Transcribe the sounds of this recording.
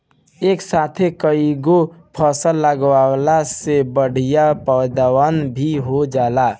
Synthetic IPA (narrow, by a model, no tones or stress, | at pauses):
eːksat̪ʰekəiɡopʰəsəlːəɡʋalasebəɽ̤ijapəd̪awanbʱiɦod͡ʒaːla